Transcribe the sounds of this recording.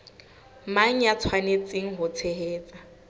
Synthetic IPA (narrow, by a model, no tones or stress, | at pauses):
maŋ̩jat͡sʰwanet͡sʼeŋ̩ɦʊt͡sʰeɦeːt͡sʼa